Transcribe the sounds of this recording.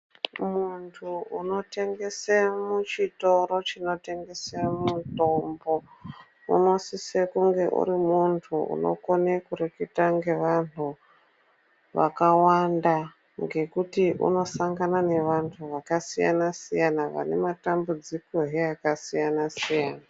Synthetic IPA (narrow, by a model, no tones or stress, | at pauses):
muntʰuuno̞te̞ŋɡe̞semut͡ʃito̞ɾo̞t͡ʃino̞te̞ŋɡe̞semuto̞mbo̞ | ṵno̞sisekuŋɡe̞ʔṵɾimuntʰuṵno̰konekurekitaŋɡe̞ʋantʰu | ʋa̰kawanda | ŋɡe̞kutiʔṵno̞saŋɡanane̞ʋantʰuʋakasija̰nasijanaʋa̰ne̞̰matambud͡ziko̞ɦeakasijanasijaːna